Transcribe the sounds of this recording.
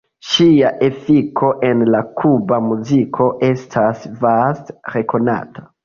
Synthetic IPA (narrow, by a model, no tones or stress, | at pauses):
ʃiaʔe̞fikʰo̞ʔe̞nlakʰubamuzikʰo̞ʔe̞stʰasvastɾe̞ko̞na̰tʰḁ